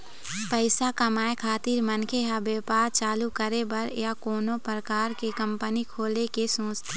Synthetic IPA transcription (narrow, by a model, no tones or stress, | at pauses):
pəɪsakɐmaːekʰaːt̪iːɾmənkʰeɦabeːpaːɾt͡ʃaːlukəɾebɐɾjakoːnõpɾəkaːɾkekə̃mpənikʰoːlekesõːt͡ʃt̪ʰː